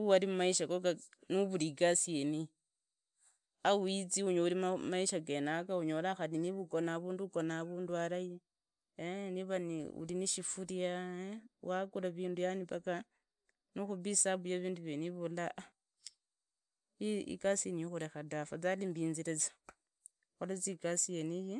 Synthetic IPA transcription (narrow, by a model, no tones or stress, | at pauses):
uwalimumaiʃakoɡanuβuliɡasieni | auit͡siuɲouliamaiʃaɡenakauɲo̞laxaliniβuɡo̞naβuːnduɡo̞naβuːndualaji | eniβanḭṵliniʃifuɾiaewakulaβiːndujanipaka | nixuβisaβujeβiːnduβjeniβulaʔa | iḭkasienijoxuɾexadafat͡salimbiːnziɾet͡sḁ | xolat͡siɡasieniji